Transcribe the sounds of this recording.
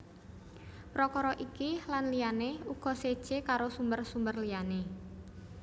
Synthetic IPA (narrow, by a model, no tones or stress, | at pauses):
pɾɔkɔɾɔʔikilanlijaneuɡ̥ɔ̤sed̥ʒ̥ekaɾosumbərsumbərliane